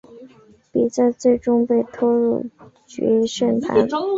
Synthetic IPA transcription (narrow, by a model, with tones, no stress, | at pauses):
pi˨˩t͡sa˥˧ɪt͡swe˥˩ɪʈ͡ʂʊ˥ŋpe˥˩ɪt̪ʰɔ˥ɻṵ˥˩t͡ɕɥɛ̰˧˥ʂə˥˩nt̪ʰa̰˧˥